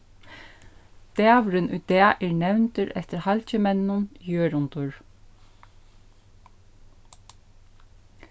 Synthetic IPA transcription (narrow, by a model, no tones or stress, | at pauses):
t̪æːʋɾɪnṵːd̪ɛːʔɛːɹnɛwnt̪əɾɛt̪əɾhalcəmɛnːʊnjøːɾʊnt̪ʊɹ